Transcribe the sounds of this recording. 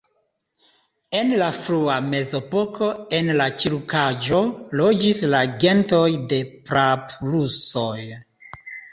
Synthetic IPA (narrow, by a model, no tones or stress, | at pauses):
e̞nlafɾuame̞zo̞po̞kʰo̞e̞nlat͡ʃiɾukad͡ʒolo̞d͡ʒislaɡe̞nto̞jde̞pɾapluso̞j